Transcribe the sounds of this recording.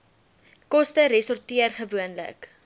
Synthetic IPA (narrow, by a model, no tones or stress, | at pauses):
kɔstəɾɛsɔrtiərχəvuənlə̰k